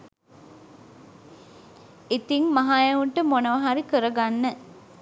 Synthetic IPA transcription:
it̪iŋmɐɦajɐuɳʈəmonəʋɐɦaɾikəɾəɡanːə

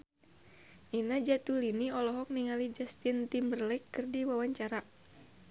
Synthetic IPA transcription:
ʔinad͡ʒat̪uliniɔlɔɦɔk̚niŋalid͡ʒast̪int̪imbərlɛkːɨrdiwawaɲt͡ʃaɾa

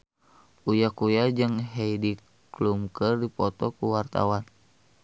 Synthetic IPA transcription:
ʔujakujad͡ʒɨŋɦɛidi | klumkərdipɔt̪ɔkuwart̪a̰wan

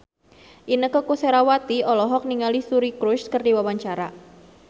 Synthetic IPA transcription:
ʔinəkəkuseɾawat̪iɔlɔɦɔk̚niŋalisuɾikɾʊskərdiwawaɲt͡ʃaɾa

